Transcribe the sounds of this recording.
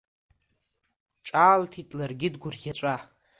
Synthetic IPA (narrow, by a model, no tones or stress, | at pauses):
ʈ͡ʂʼaːltʰitʼlarɡʲɪdɡʷʊrɡʲat͡ʃʷʼa